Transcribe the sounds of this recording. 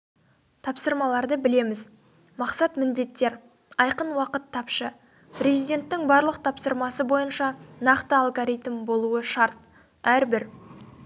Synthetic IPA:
t̪ʰɑpsəɾmɑlˠɑɾd̪əbɪle̞mɪz | mɑqsɑt̪mɪnd̪e̞t̪ːe̞ɾ | ɑjqənwɑqət̪ʰːɑpʃə | pɾʲe̞zijd̪ʲe̞nt̪ːɪŋbɑɾlˠəq̚t̪ʰɑpsəɾmɑsəbo̞jənʃɑnɑqt̪əalˠɡoɾijt̪mbo̞lˠuəʃɑɾt̪̚ | æɾbɪɾ

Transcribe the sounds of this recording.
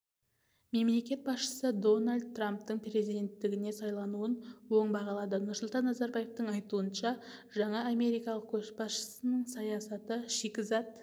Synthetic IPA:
me̞mle̞kʲe̞t̪̚bɑsʃə̥səd̪o̞nalʲd̪̚t̪ːramp̚t̪əɴpre̞zijd̪e̞nt̪ːɪɡʲɪne̞sɑjlˠɑnuənwo̞ɴbɑʁɑlˠɑd̪ənʊɾsʊlˠt̪ɑnːɑzɑɾbɑje̞ft̪əɴɑjt̪uənʃɑʒɑɴɑːme̞ɾijkɑlˠəq̚kʲʰɵzbɑsʃə̥sənəɴsɑjɑsɑt̪əʃekʲɪzɑt̪̚

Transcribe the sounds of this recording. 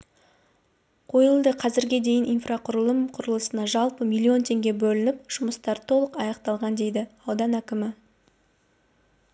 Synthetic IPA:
qʰo̞jəlˠd̪əqʰɑzɪɾɡʲed̪e̞jɪnʔijnfrʔaqʰʊɾəlˠəmqʰʊɾəlˠəsənɑʒɑlˠpəmʲilʲˠːio̞nt̪ʰe̞ŋɡʲe̞bɵlɪnɪpʒ̥ʊməst̪ɑɾt̪ʰo̞lˠəqɑjɑqt̪ɑlˠʁɑnd̪e̞jd̪ɪɑwd̪ɑnækʲɪmɪ

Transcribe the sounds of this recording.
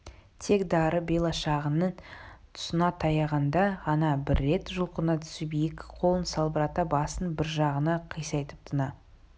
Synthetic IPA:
t̪ʰe̞kd̪ɑɾəbelˠɑʃɑʁənəɴt̪ʰʊ̥sənɑt̪ʰɑjɑʁɑnd̪ɑʁɑnɑbɪɾːe̞t̪ʒʊlˠqənɑt̪ʰʏ̥subejɪkʲqʰo̞lˠənsɑlˠbəɾɑt̪ɑbɑsənbɪɾʒɑʁənɑqʰəjsɑjt̪əp̚t̪ʰənɑ

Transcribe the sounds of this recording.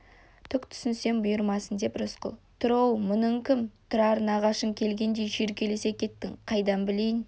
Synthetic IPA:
t̪ʰʏkt̪ʰʏ̥sɪnse̞nbʊjəɾmɑsənd̪e̞pɾʊsqə̰lˠt̪ʰʊɾɑwmʊnəɴkʲɪmt̪ʰʊɾɑɾənɑʁɑʃəŋkʲʰe̞lɡʲe̞nd̪e̞jʒeɾkʲʰe̞le̞se̞kʲʰe̞t̪ːɪŋqʰɑjd̪ɑnbɪle̞jɪn

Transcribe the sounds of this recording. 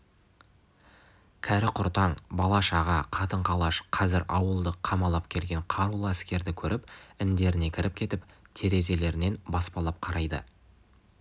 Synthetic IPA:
kʲʰæɾɪqʰʊɾt̪ɑɴbɑlˠɑʃɑʁɑqʰɑt̪əɴqʰɑlˠɑʃqʰɑzɪɾɑwəlˠd̪əqʰɑmɑlˠɑpkʲʰe̞lɡʲe̞ɴqʰɑɾulˠæskʲe̞ɾd̪ɪkʲʰɵɾʔɪpɪnd̪e̞ɾɪne̞kʲʰɪɾɪp̚kʲʰe̞t̪ɪpt̪ʰe̞ɾe̞ze̞le̞ɾɪne̞nbɑspɑlˠɑp̚qʰɑɾɑjd̪ə̰

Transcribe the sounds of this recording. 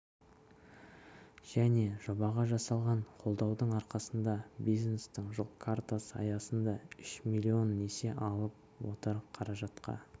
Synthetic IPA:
ʒ̥æne̞ʒo̞bɑʁɑʒɑsɑlˠʁɑɴqʰo̞lˠd̪ɑwd̪əɴɑɾqɑsənd̪ɑbijznest̪ɪŋʒolˠkʰart̪osɑ̰jɑsənd̪ɑʏʃmilʲio̞nːe̞se̞ʔɑlˠəp̚ | wo̞̰t̪əɾqʰɑɾɑʒɑt̪qʰɑ̰

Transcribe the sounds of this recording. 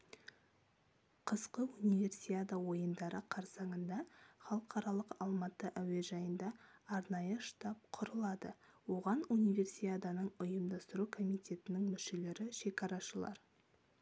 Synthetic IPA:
qʰəzqəunijvʲe̞rsiad̪awo̞jənd̪ɑɾəqʰɑɾsɑɴənd̪ɑχɑlˠəqʰɑɾɑlˠəqɑlˠmɑt̪ːəʔæwe̞ʒɑjənd̪ɑːɾnɑjəʃt̪ɑp̚qʰʊɾəlˠɑd̪ə̰wo̞ʁɑnunijve̞rsiad̪anəɴʊjəmd̪ɑst̪əɾukʰo̞mijt̪ʲe̞t̪ɪnɪŋmʏʃe̞le̞ɾɪʃe̞kɑɾɑʃəlˠɑ̰ɾ

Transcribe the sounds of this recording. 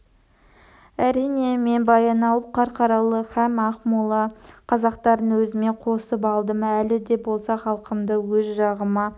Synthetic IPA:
æɾijne̞menbɑjɑnɑlˠqʰɑɾqʰɑɾɑlˠəχæmɑχmulˠɑqʰɑzɑqt̪ɑɾənwɵzɪme̞qʰo̞səp̬ɑlˠd̪əmælɪd̪e̞bo̞lˠsɑχɑlˠqəmd̪əwɵzʒɑʁəmɑ

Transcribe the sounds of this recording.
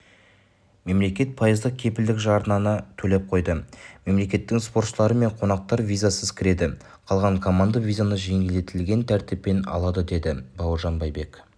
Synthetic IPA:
me̞mle̞kʲe̞t̪̚pʰɑjəzd̪əq̚kʲʰe̞pɪld̪ɪkʒɑɾnɑnət̪ʰɵle̞p̚qʰo̞jd̪əme̞mle̞kʲe̞t̪ːɪŋspo̞ɾt̪ʃəlˠɑɾəme̞ɴqʰo̞nɑq̚t̪ɑɾvʲijzasəzkʲʰɪɾe̞d̪ɪ | qʰɑlˠʁɑɴkʰo̞mand̪avʲijzanəʒe̞ŋʲeld̪e̞t̪ɪlɡʲe̞nt̪ʰæɾt̪ɪpːe̞nɑ̰lˠɑd̪əd̪e̞d̪ɪbɑwəɾʒɑnbɑjbe̞k

